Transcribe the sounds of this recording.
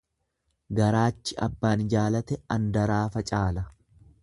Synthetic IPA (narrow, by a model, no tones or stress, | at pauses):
ɡɐɾaːt͡ʃːɪʔɐ̰bːaːnɪd͡ʒaːlɐt̪ɛɐnd̪ɐɾaːfɐt͡ʃʼaːlɐ